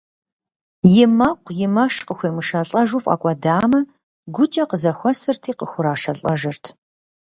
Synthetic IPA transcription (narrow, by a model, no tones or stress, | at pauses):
jɪmɐqʷjɪmɐʂqəxʷeːmɨʃɐɬʼɐʒʊːfʼa̰kʷʼɐdaːmɐ | ɡʷʊt͡ʃʼɐqəzɐxʷɐsɨrtʰiːqəxʷʊɾaːʂɐɬʼɐʒɐrtʰ